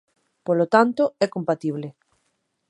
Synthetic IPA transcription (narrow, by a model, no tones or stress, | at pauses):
polot̪ant̪oɛkompat̪iβ̞le